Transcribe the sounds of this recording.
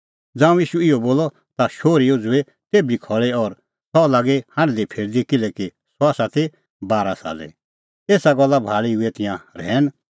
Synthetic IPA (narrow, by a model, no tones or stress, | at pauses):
d͡zãːũjiːʃuɪɔboːlːɔ | t̪aʃoːɾijod͡zʊe | t̪eːbikʰɔɭɛɔɾ | sɔlaːɡehãnd̪ipʰɪːɾd̪ikɪlɛki | saːsat̪ʰe | baːɾasa̰ːd͡zɛ̰ | eːsaɡɔlːabʱaːɭiʊɛt̪ɪ̃jãɾɛːn